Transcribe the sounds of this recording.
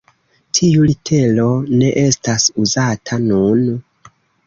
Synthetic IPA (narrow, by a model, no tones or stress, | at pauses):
tʰiulitʰe̞lo̞ne̞ʔe̞stasuzatʰanun